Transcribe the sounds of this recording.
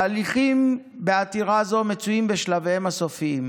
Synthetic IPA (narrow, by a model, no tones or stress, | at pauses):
liχim | beat̪iʁazo̞me̞t͡suimbe̞ʃlavehemhaso̞fiim